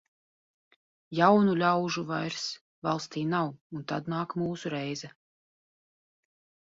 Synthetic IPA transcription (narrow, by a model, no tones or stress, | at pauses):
jawnulʲawʒuvajɾs | valˠst̪iːnawunt̪ad̪naːkmuːsuɾɛjzɛ